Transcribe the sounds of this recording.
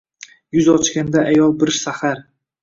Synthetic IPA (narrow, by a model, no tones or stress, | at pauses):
jʊzɒt͡ʃkʲand̪aʔajɒlˠbɪɾsahaɾ